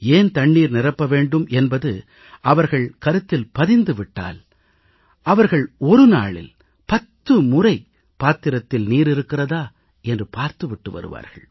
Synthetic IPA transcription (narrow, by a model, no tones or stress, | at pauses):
eːnt̪ɐɳːiːɾnɪrɐpːɐʋeːɳɖɯmɛnbɐðɯ | ʔɐʋɐɾɣɐɭkɐɾɯt̪ːɪlpɐðɪnd̪ɯʋɪʈːa̰ːl | ʔɐʋɐɾɣɐɭɔɾɯna̰ːɭɪ̰l | pɐt̪ːɯmʊrɐɪ | paːt̪ːɪɾɐt̪ːɪlniːɾɪɾɯkːɪrɐðaː | ɛndrɯpaːɾt̪ɯʋɪʈːɯʋɐ̰ɾɯ̰ʋa̰ːɾɣɐ̰ɭ